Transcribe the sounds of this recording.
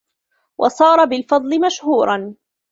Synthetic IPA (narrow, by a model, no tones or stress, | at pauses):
wʔɑ̰sˤɑːɾˤɑbɪlfɑd̪ˤlɪmaʃhuːɾˤɑn